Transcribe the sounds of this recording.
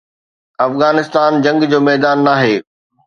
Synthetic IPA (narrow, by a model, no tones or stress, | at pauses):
ɐfɣaːnɪst̪aːnd͡ʑɐ̃ŋɡd͡ʑoːmɛːd̪aːnːaːɦeː